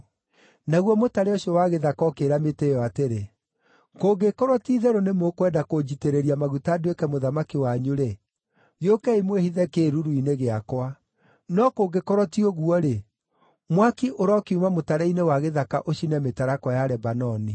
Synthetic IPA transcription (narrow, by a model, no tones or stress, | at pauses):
naɣwɔmotaɾeɔʃiɔwaɣeðakɔkeɾametejɔateɾe | koɡekɔɾwɔtiːðɛɾonemokwɛdakod͡ʑiteɾeɾiamaɣutaːduekɛmoðamakiwaɲuɾe | ɣjokɛimwehiðɛkeːɾuɾuineɣeakwa | nɔkoːɡekɔɾɔtiɔɣuɔɾe | mwakiʔoɾɔkiumamotaɾɛinewaɣeðakaʔoʃinɛmetaɾakɔjaɾɛbanɔni